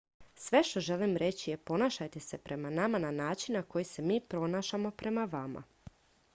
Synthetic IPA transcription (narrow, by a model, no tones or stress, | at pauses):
sʋe̞ʃt̪o̞ʒe̞limɾe̞t͡ɕije̞po̞naːʃajt̪e̞se̞pɾe̞manamananaːt͡ʃinnako̞jise̞miːpɾo̞naːʃamo̞pɾe̞maʋama̰